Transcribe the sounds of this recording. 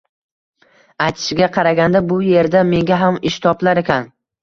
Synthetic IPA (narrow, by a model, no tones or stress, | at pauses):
ajt̪ʰɪ̥ʃɪɡʲaqʰɑɾaɡʲand̪abʊje̞ɾd̪ame̞ŋɡʲaɦamɪʃt̪ʰɒplˠaɾekʲʰan